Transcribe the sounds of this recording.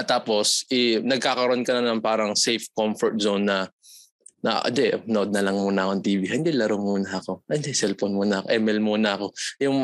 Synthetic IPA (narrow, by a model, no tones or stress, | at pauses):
t̪aːpo̞sʔɪnɐɡ̚kaːkɐɾoʔonkɐnɐnɐŋpaːɾɐŋsejfkomfoɹt̪̚zonːɐ | nɐ̰ʔɪ̰nd̪ɛʔnoʔod̪̚nɐlɐŋmuːnɐʔɐkont̪iːvihɪnd̪ɛlɐɾomːuːnɐʔɐkoɪnd̪ɛsɛlfonmuːnɐɐkoʔɛmɛlmuːnɐɐko̞jʊŋ